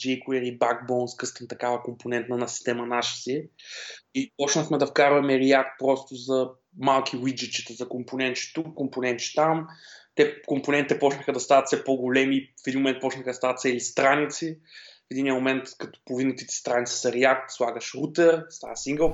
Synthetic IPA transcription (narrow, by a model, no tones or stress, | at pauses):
d͡ʒɛjkʊɛɾibaɡbɔnskɤst̪ɛnt̪ɐkavɐkomponɛnt̪nɐnɐsi̥st̪ɛmɐnaʃə̥si | ipɔt͡ʃnəxmɛd̪ɐfkaɾvɐmɛɾiak̚t̪̚pɾɔst̪ʊzɐ | malˠkʰʲiwid͡ʒit͡ʃi̥t̪ɛzɐkomponɛnt͡ʃi̥t̪ukːomponɛnt̪t͡ʃi̥t̪amt̪ɛkomponɛ̃nt̪it̪ɛpɔt͡ʃnəxəd̪ɐst̪avɐt̪sɛpoɡʊlɛmifɛd̪inmomɛnt̪̚pɔt͡ʃnəxəd̪ɐst̪avɐt̪sɛlist̪ɾanit̪sifɛd̪iniəmomɛnt̪kɐt̪ɔ̥povinɛt̪it̪ɛ̥st̪ɾanit̪si̥sɐɾɛak̚t̪slˠaɡəʃɾut̪ɛɾst̪a̰vɐsiŋɡəlˠ